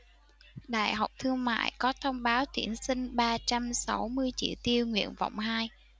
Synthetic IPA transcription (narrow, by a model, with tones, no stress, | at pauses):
ɗa̰ː˧˨jɦa˨˩wk͡p̚t̪ʰɨ˧əŋma̰ː˧˨jkɔ˨˦t̪ʰə˧wŋ͡mɓaː˨˦wt̪i˧˩ənsï˧ŋ̟ɓaː˧t͡ɕa˧msa˨˦wmɨ˧əjt͡ɕḭ˧˨wt̪i˧əwŋwḭ˧˨ənvɔ̰˧˨wŋ͡mhaː˧j